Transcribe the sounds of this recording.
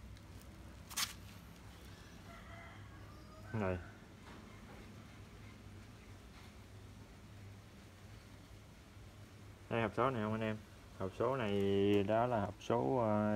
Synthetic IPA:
na˨˩j | ha˧jhə˨˩wk͡p̚so˨˦na˨˩jʔə˧wŋ͡mʔa˧nɛ˧m | hə˨˩wk͡p̚so˨˦na˨˩jɗɔ˨˦laː˨˩hə˨˩wk͡p̚so˨˦

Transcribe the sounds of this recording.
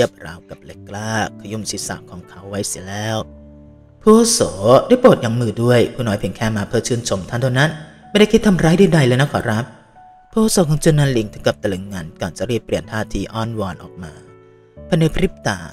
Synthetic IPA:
i˥˩əp̚ɾa̰ː˨˦wka˨˩p̚le˨˦˥kːlaː˥˩kʰːa˧ju˧˥˩msi˨˦sa̰˨˩kʰːɔː˨˦ŋkʰa˦˥wːa˦˥jsi˨˩˦lɛː˦˥˩w | pʰuː˧˩ʔoː˧soː˩˦daː˥˩jpoː˨˩t̪̚jaː˨˩ŋmɯː˧˩du˥˩əjpʰuː˧˨nɔː˨˦jpʰi˩˦ŋkʰɛː˥˩maː˧pʰɤː˧˩t͡ɕʰɯː˧˩nt͡ɕʰo˨˧˩mt̪ʰa˧nt̪o˧na˦˥nma˥˩jda˥˩jkʰi˦˥t̪ʰːa˧mɾaː˦˥jduː˥˩˨jda˧jləː˧jna˦˥kʰɔː˨˦ɾa˦˥p̚ | pʰuː˧ʔoː˧˥soː˨˦kʰɔː˨˦ŋt͡ɕu˧nːa˧˥˩nli˧˦ŋt̪ʰɯ˨˩˦ka˨˩p̚t̪a˧lɯ˨˦ŋŋaː˧nkɔː˨˩nt͡ɕa˨˩ɾiː˥˩pːɾi˨˩ənt̪ʰaː˥˩t̪ʰiː˧ʔɔː˥˩nwɔː˧nʔɔ̰ː˨˩k̚maː˧ | pʰa˧na˧pʰɾi˦˥p̚t̪a̰ː˨˩

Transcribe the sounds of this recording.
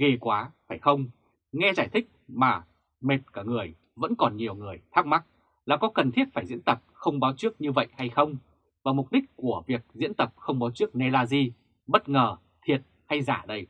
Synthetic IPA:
ɣe˨˩kwaː˨˦faː˧˩jxə˧wŋ͡m | ŋɛ˧zaː˧˩jt̪ʰï˦˥k̟̚maː˨˩ | me˨˩t̚kaː˧˩ŋɨ˨˩əj | və̰˧˥nkɔ˨˩nɲi˨˩əwŋɨ˨˩əjt̪ʰaː˦˥k̚ma˦˥t̚ | laː˨˩kɔ˨˦kə˨˩nt̪ʰi˦˥ət̚faː˧˩jzḭ˧˥ənt̪ə˨˩p̚xə˧wŋ͡mɓaː˨˦wt͡ɕɨ˦˥ək̚ɲɨ˧və̰˧˨jʔha˧jxə˧wŋ͡m | vaː˨˩mʊ˨˩k͡p̚ɗï˦˥k̟̚ku˧˩əvi˨˩ək̚zḭ˧˥nt̪ə˨˩p̚xə˧wŋ͡mɓaː˨˦wt͡ɕɨ˦˥ək̚ne˧laː˧zi˧ | ɓə˦˥t̚ŋəː˨˩ | t̪ʰi˨˩ət̚ | ha˧jzaː˧˩ɗə˧j

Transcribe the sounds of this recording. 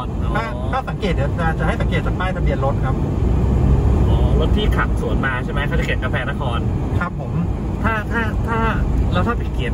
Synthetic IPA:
tʰaː˥˩t̪ʰaː˥˩sa˨˦ŋkeː˨˩t̪̚i˨˩t͡ɕa˨˩t͡ɕa˨˩ɦa˥˩sa˨˦keː˨˩t̪̚sa˨˦˩p̪laː˥˩t̪ʰa˧bi˧ənlo˦˥t̪̚kʰa˦˥pʰːo˨˦m | ʔɔː˧˦lo˦˥t̪ʰːiː˥˩kʰa˨˩p̚su˨˩˦ənmaː˧t͡ɕʰa˥˩jma˦˥t̪ʰaː˥˩t͡ɕa˨˩ki˨˩t̪̚ka˧pʰɛː˧na˦˥kʰɔː˧nkʰa˦˥pʰːo˩˦m | t̪ʰaː˥˩t̪ʰaː˥˩t̪ʰaː˥˩lɛː˦˥wt̪ʰaː˥˩pa˨˩ki˨˩ət̪̚

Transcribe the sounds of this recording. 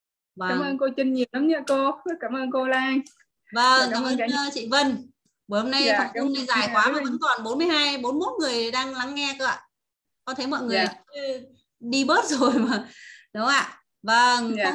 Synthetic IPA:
vəː˧˩mʔəː˧nko˧t͡ɕə˧nɲi˨˩ə˩wnə˨˦mɲə̰˧˨ko˧kaː˧˩mʔəː˧nko˧laː˧j | və˧ŋka˧ʔəː˧t͡ɕḭ˧˨və˧n | ɓo˧˩jho˧mna˧jt̪ə˨˩˧ʊ˧ŋ͡mna˧˩jzaː˧˩jkwaː˨˦˨maː˨˩və̰˧˥nt̪wa̰ː˧˨˩nɓo˨˦nmɨ˧əjhaː˧jɓo˨˦nmo˦˥t̚ŋɨ˨˩əjɗaː˧ŋla˨˦ŋːɛ˧kɨ˧˨a˧˨ | kɔ˨˦t̪ʰe˨˦jmɔ̰˧˨jŋɨ˨˩əja˨˩˧ | ɗi˧ɓəː˦˥t̚zo˨˩jmaː˨˩ɗʊ˨˦ŋ͡maː˧˨ | və˧ŋ˧˨

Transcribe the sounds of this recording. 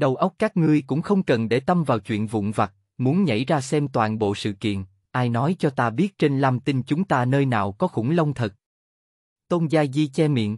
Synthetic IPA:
ɗə˨˩wʔə˦˥wk͡p̚kaː˦˥k̚ŋɨ˧əjkʊ̰˧˥ŋ͡mxə˧wŋ͡mkə˨˩nɗe˧˩t̪ə˧mvaː˨˩wt͡ɕwḭ˧˨ənvʊ̰˧˨ŋ͡mva˨˩t̚ | mu˨˦ənɲə̰˧˩jzaː˧sɛ˧mt̪waː˨nɓo̰˧˨sɨ̰˧˨kḭ˧˨ən | ʔaː˧jnɔ˨˦jt͡ɕɔ˧t̪aː˧ɓi˦˥ət̚t͡ɕe˧nlaː˧mt̪i˧nt͡ɕʊ˨˦ŋ͡mt̪aː˧nəː˧jna̰ː˨˩wkɔ˨˦xʊ̰˧˩˥lə˧wŋ͡mt̪ʰə˨˩t̚ | t̪o˧nzaː˧jzi˧t͡ɕɛ˧mḭ˧˨ən

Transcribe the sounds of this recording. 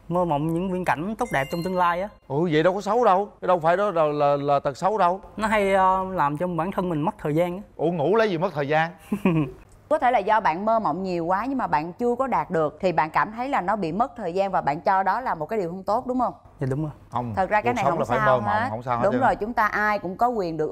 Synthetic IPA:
məː˧mɔ̰˧˨wŋ͡mɲɨ̰˧˥ŋvwi˧ənka̰˧˩jŋ̟t̪o˦˥k͡p̚ɗɛ˨˩p̚t͡ɕɔ˧wŋ͡mt̪ɨ˧əŋlaː˧jʔaː˨˦ʔɨ˧˩və̰˧˨jɗə˧wkɔ˨˦sə˨˦wɗə˧wkə˨˦ɗə˧wfaː˧˩jɗɔ˨˦˨laː˨˩laː˨˩t̪ə˨˩t̚sə˨˦wɗə˧wnɔ˨˦ɦa˧jəː˧laː˨˩mt͡ɕɔ˧ŋ͡mɓaː˧˩nt̪ʰə˧nmï˨˩ŋ̟m˦˥t̚t̪ʰəː˨˩zaː˧nʔaː˨˦ʔu˧˩əŋṵ˧˥lə˨˦jzi˨˩mə˦˥t̚t̪ʰəː˨˩zaː˧n | kɔ˨˦t̪ʰe˧˩laː˨˩zɔ˧ɓa̰ː˧˨nməː˧mə̰˧˨wŋ͡mɲi˨˩əwkwaː˨˦ɲɨ˧ŋmaː˨˩ɓa̰ː˧˨nt͡ɕɨ˧əkɔ˨˦ɗaː˨˩t̚ɗɨ˨˩ək̚t̪ʰi˨˩ɓa̰ː˧˨nkaː˧˩mt̪ʰə˨˦jlaː˨˩nɔ˨˦ɓḭ˧˨mə˦˥t̚t̪ʰəː˨˩jzaː˧nvaː˨˩ɓa̰ː˧˨nt͡ɕɔ˧ɗɔ˨˦laː˨˩mo˨˩kaː˨˦jɗi˨˩hə˧wŋ͡mt̪o˦˥t̚ɗʊ˨˦ŋ͡mhə˧wŋ͡mɗʊ˨˦ŋ͡mzo˨˩jhə˧˩wŋ͡mt̪ʰə˨˩t̚zaː˧kaː˨˦jn˨˩˦hə˧wlaː˨˩faː˧˦˧məː˧mɔ̰˧˨˦ŋ͡mhə˧wŋ͡msaː˧wɗʊ˨˦ŋ͡mzo˨˩jt͡ɕʊ˨˦ŋ͡mt̪aː˧ʔaː˧jkʊ̰˧˥ŋ͡mkɔ˨˦kwi˨˩ənɗɨ˨˩ək

